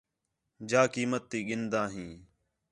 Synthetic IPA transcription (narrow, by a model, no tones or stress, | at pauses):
d͡ʒaːkiːmət̪ːiːɠɪnd̪ãːɦĩː